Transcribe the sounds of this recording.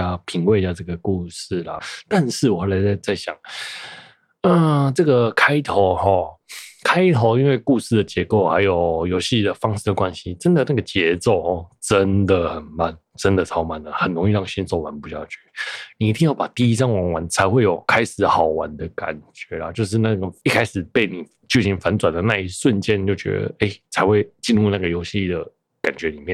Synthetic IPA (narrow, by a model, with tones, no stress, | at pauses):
a˥pʰi˧˥ŋwe˥˧ɪt͡ɕja˥˧ʈ͡ʂɤ˥˩ɡə˩ku˥˧ʂ̩˥˩la̰˩t̪a˥˧nʂɻ̩˥˩wɔ˨˩a˥˩la˧˥ɪt͡sa˥˧ɪt͡sa˥˩ɪɕjɑ̰˨˩ŋ | ə˨ʈ͡ʂɤ˥˩ɡə˩kʰa˥ɪt̪ʰo˧˥ʊxɔ˥˧kʰa˥ɪt̪ʰo˧˥ʊi˦˥nwe˥˧ɪku˥˧ʂɹ̩˥˩d̪ə˩t͡ɕjɛ˧˥ko˥˩ʊxa˧˥ɪjo˨˩ʊjo˧˥ʊɕi˥d̪ə˩fɑ˥ŋʂɻ̩˥˩d̪ə˩kwa˦nɕi˦ʈ͡ʂə˦nd̪ə˨na˥˩ɡə˨t͡ɕjɛ˧˥t͡so˥˧˩ʊhɔ˥˩ʈ͡ʂə˦nd̪ə˨xə˨˩nma˥˩n | ʈ͡ʂə˦nd̪ə˨t͡sʰɑ˥ʊma˨˩nd̪ə˩xə˨˩nɻʊ˧˥ŋi˥˧ɻɑ˥˩ŋɕi˥nt͡so˥˩ʊwa˧˦npu˧˥ɕjɑ˥˩t͡ɕy˥˩ni˨˩˧t̪ʰi˥˧ŋjɑ˥˩ʊpa˨˩t̪i˥˩i˦˥t͡sɑ˥ŋwɑ˧˥ŋwa˧˦nt͡sʰa˧˥ɪxwe˥˩ɪjo˨˩ʊkʰa˥ɪʂɻ̩˨˩˦xɑ˨˩ʊwa˧˦nd̪ə˨ka̰˨˩nt͡ɕɥɛ˧˥la˨t͡ɕjo˥˧ʊʂ̬ɻ̩˥˧na˥˩ɡə˩i˥˧kʰa˥ɪʂɻ̩˨˩pe˥˩ɪni˨˩ | t͡ɕjo˥˩ʊɕi˧˥nfa˧˦nt͡swa˨˩nd̪ə˩na˥˧i˥˩ʂwə˥˧nt͡ɕjɛ˥˧nt͡ɕjo˥˩ʊt͡ɕɥɛ̰˧˥d̪ə̰˧˩e˥˩ɪt͡sʰa˧˦ɪxwe˥˩ɪt͡ɕi˥˧nɻu˥˧na˥˩ɡə˩jo˧˥ʊɕi˥˨d̪ə˩ | ka˨˩nt͡ɕɥɛ˧˦li˨˩mjɛ˥˨˩n